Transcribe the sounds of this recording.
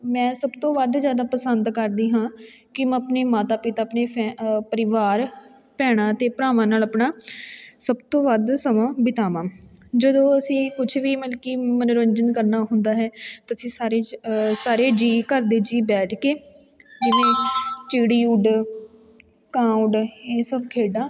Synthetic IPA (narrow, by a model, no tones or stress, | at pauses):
mɛ̃ːsəbt̪õːʋəd̪d͡ʒjaːd̪aːpəsənd̪kəɾd̪iːɦãːkɪməpneːmaːt̪aːpɪt̪aːpneːɛpəɾɪʋaːɾ | pɛːɽ̃ãːt̪eːpɾaːʋãːnaːləpnaːsəbt̪õːʋəd̪səmãːbɪt̪aːʋãːd͡ʒəd̪õːəsĩːkʊt͡ʃʰʋiːməlkiːmənʊɾəɲd͡ʒənkəɾnaːɦʊnd̪aːɦɛːt̪ːəsĩːsaːɾeːsaːɾeːd͡ʒiːkəɾd̪eːd͡ʒiːbɛːʈʰkeːd͡ʒɪʋẽːt͡ʃiːɽiːuːɖ | kãːʊɳɖeːsəbkʰeːɖãː